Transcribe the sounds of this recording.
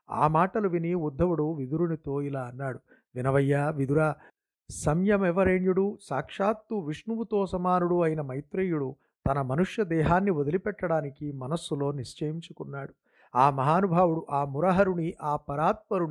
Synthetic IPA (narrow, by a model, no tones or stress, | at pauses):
a̰ːmaːʈɐluʋiniud̪ʱːɐʋuɽuʋid̪uɾunit̪oːilaːɐnːaːɽu | ʋinɐʋɐjːaːʋid̪uɾaː | sɐmjɐmɛʋɐɾeːɳjuɽusaːkʂaːt̪ːuʋiʂɳuʋut̪oːsɐmaːnuɽuɐjinɐmɐjt̪ɾɐjuɽu | t̪ɐnɐmɐnuʂjɐd̪ɛːɦaːnːiʋɔd̪ɐlipɛʈːɐɽaːnikimɐnɐsːulo̞ːniʃt͡ʃɐjiɲt͡ʃukunːaːɽu | aːmɐɦaːnubʱaːwuɽuʔaːmuɾɐɦɐɾuɳiʔaːpɐɾaːt̪̚pɐɾuɳi